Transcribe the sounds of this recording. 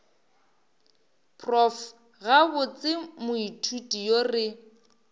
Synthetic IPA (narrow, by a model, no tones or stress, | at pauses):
pʰrɔf | ɣabʊt͡sʼɪmʊitʰutʼijorɪ